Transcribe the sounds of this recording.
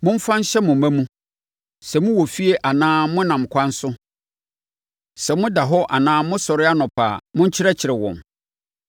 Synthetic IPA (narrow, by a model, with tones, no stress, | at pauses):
mʊ̃˦m̩˦fã˦n̩˦ɕɛ˦mʊ̃˨mæ̃˦mũ˦ | sɛ˨mʊ̃˦wɔ˨fi˦e˦ʔa˨nãː˦mʊ̃˦nã˨m̩˨kʰʷã˦n̩˦sʊ˦ | sɛ˨mʊ̃˦da˨ɦɔ˦ʔa˨nãː˦mʊ̃˦sɔ˨ɾɪ˦a˦nʊ̃˨pʰa̰ː˨mʊ̃˦ɲ̩˦t͡ɕʰɪ˦ɾɛ˦t͡ɕʰɪ˨ɾɪ˨wɔ̰̃˨m